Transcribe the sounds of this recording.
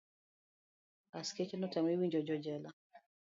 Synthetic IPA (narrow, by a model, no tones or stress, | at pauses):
asket͡ʃɛnɔtɛmiwiɲd͡ʒɔd͡ʒɔd͡ʒɛla